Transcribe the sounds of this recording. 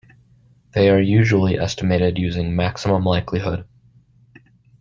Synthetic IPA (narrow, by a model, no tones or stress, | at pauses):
ðeɪə˞jʉʒl̩ˠiʔɛstəmeɪɾɪdjʉzɪ̃ŋmæksəmə̃mlaɪkʰliɦʊd̥